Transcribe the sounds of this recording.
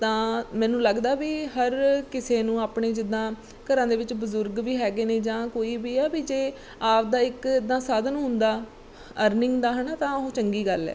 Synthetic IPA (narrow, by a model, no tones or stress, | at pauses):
t̪ãːmɛ̃ːnũːləɡd̪aːbiːɦəɾkɪseːnũːaːpɳeːd͡ʒɪd̪ːãː | kəɾãːd̪eːʋɪt͡ʃbəzʊɾɡʋiːɦɛːɡeːneːd͡ʒãːkoːiːbiːɛːbiːd͡ʒeː | aːpd̪aːɪkɪd̪ːãːsaːd̪ənɦʊ̃nd̪aː | əɾnɪŋɡd̪aːɦənat̪ãːɦõːt͡ʃəŋɡiːɡəlɛ̰ː